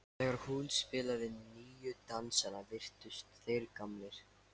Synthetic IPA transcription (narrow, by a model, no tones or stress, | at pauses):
θɛːɣaɾhunspɪːlaɾɪnniːjʏt̪ansanavɪr̥t̪ʏst̪θejɾkamlɪɾ̥